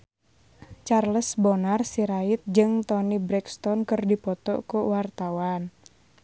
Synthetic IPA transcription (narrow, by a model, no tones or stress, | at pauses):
t͡ʃarləsbɔnarsiɾaɪt̪̚d͡ʒɨŋt̪ɔnibɾɛkst̪ɔnkɨrdipɔt̪ɔ̰kuwart̪awan